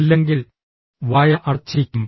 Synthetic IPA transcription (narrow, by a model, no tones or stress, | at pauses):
lːeŋɡil | ʋaːjɐʔɐrt͡ɕːijkʲːum